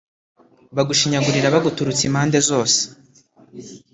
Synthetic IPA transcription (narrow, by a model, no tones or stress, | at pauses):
βaɡuʃiɲaɡuɾiɾaβaɡutuɾut͡simhaːnde̞zo̞ːse̥